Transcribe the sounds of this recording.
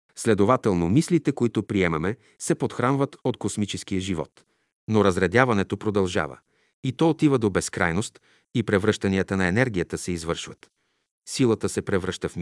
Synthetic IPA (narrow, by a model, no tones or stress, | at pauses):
slɛd̪ovat̪ɛlˠnomislit̪ɛkoit̪opɾiɛmɐmɛ | sɛpot̪xɾanvət̪ot̪kosmit͡ʃɛsk̟ijəʒivɔ̰t̪ | noɾɐzɾɛd̪javɐnɛt̪opɾod̪ɐlˠʒa̰və̰ | it̪ɔot̪ivəd̪obɛskɾa̰jnost̪ | ipɾɛvɾɤʃt̪ɐniət̪ənɐɛnɛɾɡʲiət̪əsɛizvɤɾʃvət̪ | silˠət̪əsɛpɾɛvɾəʃt̪əfm